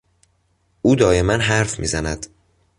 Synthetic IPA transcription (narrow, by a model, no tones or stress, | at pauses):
ʔuːd̪ɒːje̞mænɦæɾfmḭːzænæd̪̥